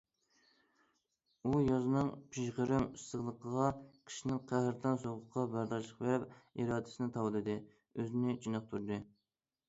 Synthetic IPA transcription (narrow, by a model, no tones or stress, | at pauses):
ujɑznɨŋpʰiʃʁəɾɨmist̪əʁlˠəqʰəʁɑqʰə̥ʃnɨŋqʰæhɾt̪ʰɑnsoʁʊqʰːɑbæɾd̪ɑʃˠəqvɛpiɾɑːd̪ɪ̥sɨnɪt̪ʰɑwɨlˠɨd̪ɨ | øzɪnɪt͡ʃʰinəχ̚t̪ʰuɾd̪ɨ